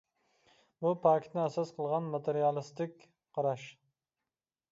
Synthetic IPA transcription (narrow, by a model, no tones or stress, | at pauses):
bupʰɑːkʲʰɪ̥t̪nɪæsɑsqʰəlˠʁɑnmɑt̪ʰeɾijɑlˠɨst̪ɪkʲ | qʰɑɾɑʃ